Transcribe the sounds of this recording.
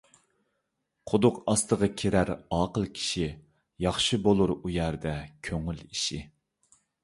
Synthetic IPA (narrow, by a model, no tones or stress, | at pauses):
qʰʊd̪ʊqɑst̪ʰəʁɑkʲʰeɾæɾɑːqəlˠkʲʰi̥ʃi | jɑχʃɨbolˠuɾujæɾd̪ɛkʲʰøŋyliʃi